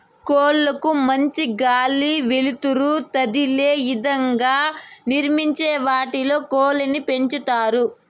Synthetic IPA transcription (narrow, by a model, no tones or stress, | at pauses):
koːɭːɐkumɐɲt͡ʃiɡaːliʋelut̪uɾut̪ɐd̪ile̞ːid̪ɐŋɡaːniɾmiɲt͡ʃɛːʋaːʈilo̞ːkoːlːɐnipe̞ɲt͡ʃut̪aːɾu